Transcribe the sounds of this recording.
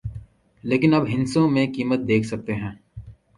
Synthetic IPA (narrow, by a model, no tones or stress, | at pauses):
leːkɪnɐbɦɪ̃nsõmẽkiːmət̪̚d̪eːkʰsɐk̚t̪eɦɛ̃ː